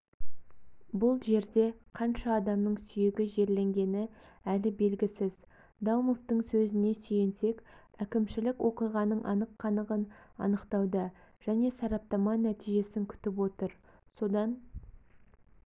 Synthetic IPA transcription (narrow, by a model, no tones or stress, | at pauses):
bʊlˠʒe̞ɾd̪e̞qʰɑnʃɑːd̪ɑmnəɴsʏjeɡʲɪʒe̞ɾle̞ŋɡʲe̞nɪ | ælɪbe̞lɡʲɪsɪz | d̪ɑwmoft̪əɴsɵzɪne̞sʏje̞nse̞kʲ | ækʲɪmʃɪlɪkwʔo̞qijʁɑnəɴʔɑ̰nəqʰːɑnəʁənɑ̰nəqt̪ɑwd̪ə | ʒ̥æne̞sɑɾɑp̚t̪ɑmɑnæt̪ijʒe̞sɪŋkʲʰʏ̥t̪ɪp̬wo̞t̪əɾ | so̞d̪ɑn